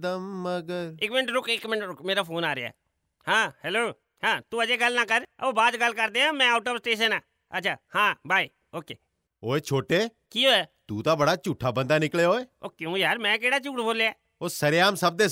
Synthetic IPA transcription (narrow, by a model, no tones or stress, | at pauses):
d̪əmːəɡəɾɪkmɪnʈɾʊkɪkmɪnʈɾʊkmeːɾaːpʰoːnaːɾeaːɛ̰ː | hãːhɛːloː | hãːt̪uːəd͡ʒeːɡəlnaːkəɾə̰oːbaːd̪ɡəlːkəɾd̪eːɦãːmɛ̃ːaːʈəbsʈeːʃənaː | ə̰tːʃʰaːhãːbʱaːiː | oːkḛː | oːeːt͡ʃʰoːʈeː | kiːɦoːat̪uːt̪aːbəɽaːt͡ʃuːʈʰːaːbə̃nd̪aːnɪkleːɦoːeoːkjũːjaːɾmɛ̃ːkeːɽaːt͡ʃuːʈbʱoːleaː | oːsəɾjaːmsəb̚d̪eː